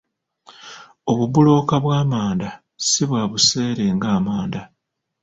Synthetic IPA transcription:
o̞βubulo̞ːkaβwaːmaːnda | siβwaːβuse̞ːɾeŋɡaːmaːnda

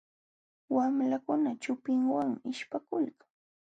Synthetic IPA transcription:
wamlakʊnat͡ʃʊpɪŋwaŋmɪʃpakʊlkḁŋ

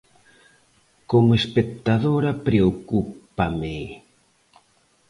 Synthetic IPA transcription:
komoespek̚t̪aðoɾapɾeokupame

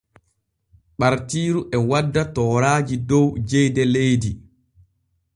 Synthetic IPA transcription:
ɓaɾtiːɾuʔɛwadːatɔːɾaːd͡ʒidɔwd͡ʒɛjdɛlejdi

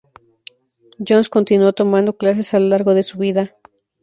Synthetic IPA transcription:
d͡ʒonsko̞nt̪inwot̪o̞mãnd̪o̞klas̬e̞salolaɾɣo̞ðe̞suβiða

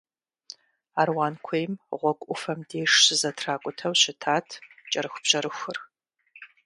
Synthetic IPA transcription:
aːrwaːnkʷʰejmʁʷɔkʷʼʊfɐmdeːʂɕɨzɐtʰraːkʷʼʊtʰɐwɕɪtʰaːtʰt͡ʃʼɐɾɨxʷbʑ̥ɐɾɨxʷʊr

